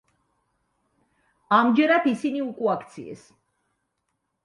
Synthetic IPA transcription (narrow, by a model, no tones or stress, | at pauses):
amd͡ʒɛɾad̪isiniukʼuakʰt̪sʰḭɛ̰s